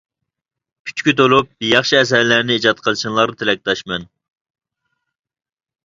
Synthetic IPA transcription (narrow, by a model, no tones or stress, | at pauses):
kʲʰy̥t͡ʃkʲyt̪olˠup̚jɑχʃiɛs̬ɛɾlæɾnɪed͡ʒɑt̪̚qʰəlˠʃinlˠɑɾɨt̪ʰelɛk̚ʲt̪ɑʃmɛn